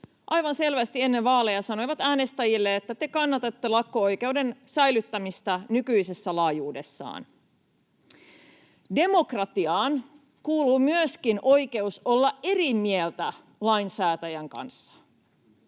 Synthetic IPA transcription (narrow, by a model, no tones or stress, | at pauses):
ʔɑjʋɑnse̞lʋæst̪ie̞nːeʋʋɑːle̞jɑsɑno̞jʋɑt̪æːne̞st̪æjilːeet̪ːæt̪e̞kɑnːɑt̪et̪ːe̞lɑkːoojke̞uwde̞nsæjlyt̪ːæmist̪ænykyise̞sːælɑːjuːde̞sːɑ̰ːn | de̞mo̞krɑt̪iɑːn | kuːluːmyøskinʔo̞jke̞uso̞lːɑʔe̞rimielt̪æ | lɑjnsæːt̪æjæŋkɑ̰nsːɑ̥